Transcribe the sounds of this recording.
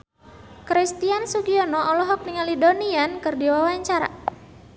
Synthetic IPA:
kɾist̪iansuɡiɔnɔʔɔlɔɦɔk̚niŋalidoniankɨrdiwawaɲt͡ʃaɾa̰

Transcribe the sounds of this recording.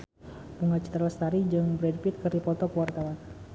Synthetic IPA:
puŋɡat͡ʃi̥t̪əɾləst̪aɾid͡ʒɨŋbɾɛdpit̪̚kərdipɔt̪ɔkəwart̪awan

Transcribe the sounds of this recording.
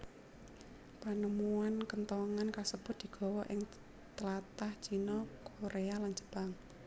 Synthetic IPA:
pənəmuankənt̪ɔŋankasəb̥ʊ̤t̪̚d̥̪i̤ɡ̥ɔ̤wɔʔɪŋ | t̪əlat̪aht͡ʃinɔkoɾealand͡ʒə̥b̥aŋ

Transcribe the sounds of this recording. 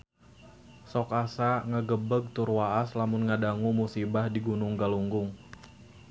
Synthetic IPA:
sɔkasaŋəɡəbəɡ̚t̪urwaʔaslamʊnŋadaŋumusibahdiɡunʊŋɡaluŋɡʊŋ

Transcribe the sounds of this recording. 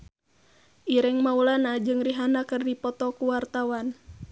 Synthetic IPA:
ʔiɾɛŋmaulanad͡ʒɨŋriɦanakɨrdipɔt̪ɔkuwart̪awan

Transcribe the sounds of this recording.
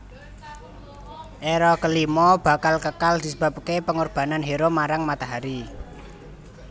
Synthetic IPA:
ʔeɾɔkəlimɔb̥a̤kalkəkald̪̥i̤səba̤p̚kepəŋorb̥a̤nanɦeɾomaɾaŋmat̪aɦaɾi

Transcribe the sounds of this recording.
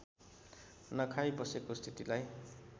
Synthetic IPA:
nʌkʰajbʌsekost̪ʰit̪ilaj

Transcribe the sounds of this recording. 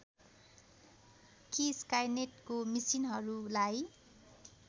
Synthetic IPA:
kiskajneʈkomisinɦʌɾulaj

